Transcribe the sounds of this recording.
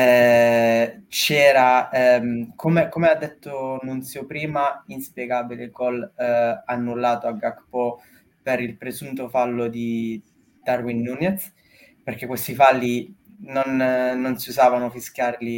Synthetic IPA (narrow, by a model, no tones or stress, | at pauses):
ɛ | t͡ʃɛːɾaɛmkʰomekomead̪ːet̪ːonːunt̪sjopɾiːmainspjeɡaːbilekɔlanːulːaːt̪oaɡakpɔ | peɾilpɾezunt̪ofalːod̪i | d̪̥arwinːunɛt̪s | perk̟ekwest̪ifalːinonːonsiuzaːvanofisk̟jarli